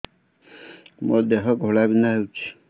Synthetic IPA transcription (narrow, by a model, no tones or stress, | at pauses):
mɔ̰d̪eɦɔɡʱoɭabinaɦewt͡ʃʰi̥